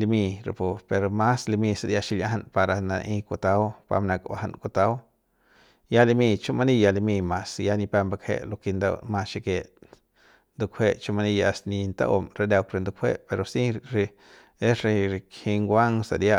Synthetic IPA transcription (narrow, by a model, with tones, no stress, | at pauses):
li˧mi˧ɾḛ˨po˧pe˨ɾoma˦sli˧mi˧sa˧d̪ja˧ʃi˧lʲa˦ɦa˧npa˧ɾa˧na˧nʔi˧ku˧t̪a˦wpa̰˧mna˧kba̰˨ha̰˨nku˧t̪a˦w | ja˦li˧mi˧t͡ʃu˦ma˧ni˦˧ja˧li˧mi˧ma˧sja˦ni˧pe˧mba˧kʰhḛ˦ʔlo˧ki˧nd̪a̰˧ma˧ʃi˧ke˧ | nd̪u˧kʷʰe˦ʔt͡ʃu˦ma˧ni˧jaa˧sni˧nt̪a̰˦ʔo˧mɾe˧d̪a˧wkɾe˧nd̪u˧kʰʷhḛ˦ʔpe˧ɾo˧si˦ɾe˧ | e˦sɾe˧ɾkhi˧ŋɡʷa˦ŋsa̰˧d̪ja˧